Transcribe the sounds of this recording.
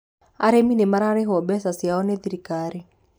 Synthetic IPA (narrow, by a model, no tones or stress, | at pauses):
a̰ɾeminemaɾaɾɛɦɔbɛsasiaɔnɛðiɾikaɾi